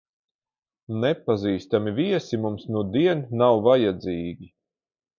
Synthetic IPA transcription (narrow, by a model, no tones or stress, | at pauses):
nɛpaziːst̪amiviɛsimumsnuɔd̪iɛnnawvajad̪ziːɡʲi